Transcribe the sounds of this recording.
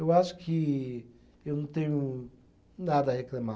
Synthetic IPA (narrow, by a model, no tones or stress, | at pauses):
ewasu̥kʰi | ewnõt̪ẽɲũ | nad̪aheklama